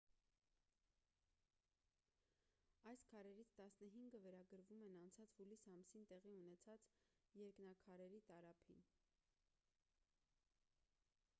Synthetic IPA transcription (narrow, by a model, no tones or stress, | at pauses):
ɑjskʰɑɾɛɾit͡sʰt̪ɑsnəɦiŋɡəvɛɾɑɡəɾvumɛnɑnt͡sʰɑt͡shulisɑmsint̪ɛʁiunɛt͡sʰɑt͡sjɛɾknɑkʰɑɾɛɾit̪ɑɾɑpʰin